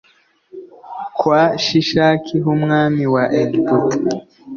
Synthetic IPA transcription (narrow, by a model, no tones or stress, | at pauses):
kwaʃiʃakʰiɦumŋamiwaʔɛdtut